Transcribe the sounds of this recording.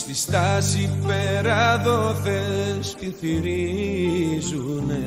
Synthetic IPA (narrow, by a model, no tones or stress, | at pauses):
stist̪asipeɾaðoθeskiθiɾi | zune